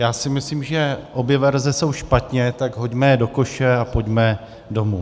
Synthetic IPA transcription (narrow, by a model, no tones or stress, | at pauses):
jaːsɪmɪsliːmʒɛʔo̞bjɛvɛɾzɛso̞wʃpat̪ɲɛt̪aɡɦo̞ɟmɛdo̞ko̞ʃɛapo̞ɟmɛ | do̞mu